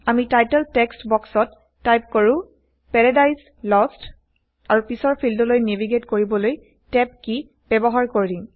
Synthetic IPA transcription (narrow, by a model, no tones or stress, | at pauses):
amitajtɛltɛkstbɔksɔtː | ajp̚koɹʊ̃ | pɛɹadajs | lɔst | aɹupisɔɹpʰildɔlojnɛviɡetkoɹibɔloj | tɛp̚ki | b̥ɛbɔɦaɹkoɹidĩ